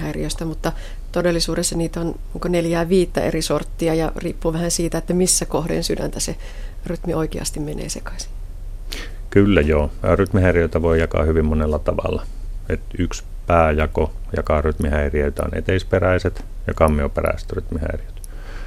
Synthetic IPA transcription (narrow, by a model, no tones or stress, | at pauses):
hæiriost̪æmut̪ːɑ | t̪odelːˑisuːresteniːt̪onniːkoneljæːʋiːt̪ːæ̰ʔerisort̪ːiɑjɑriːpːuʋæhænsiːt̪æet̪ːæmisːækohdḛnsydæ̰nt̪æse | ryt̪mioikeɑ̰st̪immenḛːsekɑ̥si̥ | kylːæjoːryt̪mihæiriøˑit̪æʋoijɑkɑ̰ːhyʋimmonelːɑt̪ɑʋɑ̰lːɑet̪yks | pæːjɑkojɑkɑryt̪mihæirioit̪æo̰nḛt̪eisperæiset̪ | jɑkɑmːioperæ̰ise̥t̪ryt̪mihæ̰iriø̥t̪